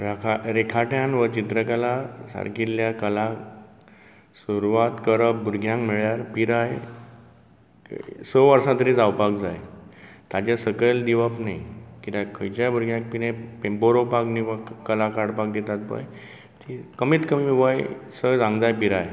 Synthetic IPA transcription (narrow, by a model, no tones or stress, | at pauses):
ɾakʰaɾekʰaʈjãnʋət͡ɕit̪ɾəkəlasa̰ɾkilːjakəla | suɾuʋat̪kəɾəp̚buɾɡʱjãŋkmeɭjaɾpiɾaj | səʋəɾsãt̪əɾid͡zawpakd͡zajt̪ad͡ʑasəkəld̪iʋapnajkit̪akʰəjt͡ɕabʱuɾɡʱjãŋk̚pinẽpempoɾopakniʋakkːəlakaɽpakd̪et̪at̪̚pə̰j | t̪ikəmiːt̪kəmimiʋajsəd͡zãŋɡd͡zajpiɾaj